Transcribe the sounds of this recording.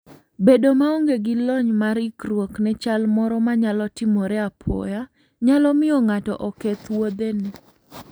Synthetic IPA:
bedomaoŋɡeɡɪlɔɲmaɾɪkɾwoknɛt͡ʃalmɔɾɔmaɲalɔtɪmɔɾɛapʰɔ̰ja | ɲalɔmɪɔŋatɔ̰ʔɔkɛt̪wod̪enɪ

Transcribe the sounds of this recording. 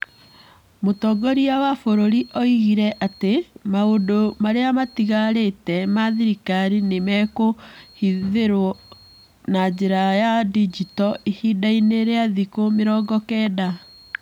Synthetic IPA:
motɔɡɔɾiawafoɾoɾiʔɔiɣiɾɛʔatemaondomaɾeamatiɣaɾetɛmaðiɾikaɾinemɛkohiðeɾwɔ | nad͡ʑeɾajadid͡ʑitɔʔihidaineɾeaðikomeɾɔɡɔkɛːda

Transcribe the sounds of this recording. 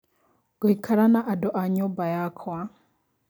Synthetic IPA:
ɡ̥ɔikʰaɾanaʔadɔʔaɲɔbajakʰwa

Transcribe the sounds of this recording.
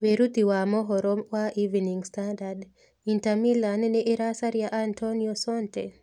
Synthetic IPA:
weɾut̪iwamɔɦɔɾɔmwaʔiviniŋstandad | intamilannɛʔːɾasaɾjaʔantʰɔniɔsɔnte

